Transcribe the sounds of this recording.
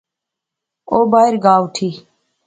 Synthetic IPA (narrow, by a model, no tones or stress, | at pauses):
oːbaːɪɾɡaːuʈʰiː